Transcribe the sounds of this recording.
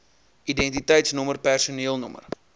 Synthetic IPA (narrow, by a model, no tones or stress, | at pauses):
idɛntitɛjtsnɔmərpærsuniːəlˠnɔmə̰r